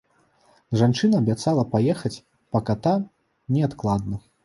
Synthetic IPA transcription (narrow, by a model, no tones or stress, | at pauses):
ʐant͡ʂɨnɐːbʲat̪salˠɐpajɛxɐt͡sʲ | pɐkat̪a | nʲɛat̪klˠad̪nɐ